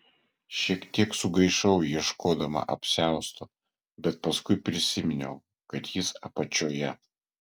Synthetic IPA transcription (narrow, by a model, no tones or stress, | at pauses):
ʃʲiɛkt̪ʲiɛksʊɡɐɪʃɐʊjiɛʃkʰoːd̪ɐmɐ̰ʔɐpʲsʲæˑʊst̪o | bʲɛt̪̚pɐskʊɪpʲɾʲɪsʲɪmʲɪnʲɛʊ | kɐt̪jɪsɐpɐt͡ʃʲoːjɛ